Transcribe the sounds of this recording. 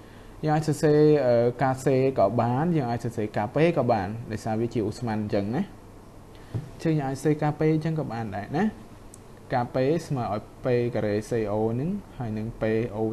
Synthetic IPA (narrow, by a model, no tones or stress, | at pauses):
jəːŋʔaːc̚sɑːseːʔəːkaːseːkɑːɓaːnjəːŋʔaːc̚sɑːseːkaːpeːkɑːɓaːnɗaɔjsaːʋiət͡ɕiəʔusmanɲt͡ɕəŋnah | t͡ɕəŋjəːŋʔaːc̚seːkaːpeːɲt͡ɕəŋkɑːɓaːnɗaɛnah | kaːpeːsmaəʔaɔjpeːkaɾeːseːʔoːnɨŋhaəjnɨŋpeːʔoː